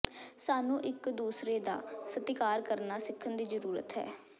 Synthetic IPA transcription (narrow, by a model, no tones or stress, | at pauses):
saːnũːʔɪkd̪uːsɾeːd̪a̰ːsət̪ɪkaːɾkəɾnaːsɪkʰːənd̪iːzəɾuːɾə̰t̪ɦɛ̰ː